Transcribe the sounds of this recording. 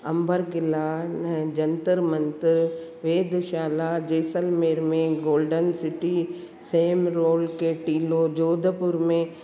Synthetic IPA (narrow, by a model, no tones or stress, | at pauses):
ɐ̃mbəɾɡɪlaːnɛd͡ʒɐnt̪əɾmɐnt̪ɪɾ | ʋeːd̪ʱʃaːlad͡ʒeːsəlmeːɾmẽɡoːlɖənsɪʈi | seːmɾoːlkeʈiːlod͡ʒoːd̪ʱpʊɾmẽ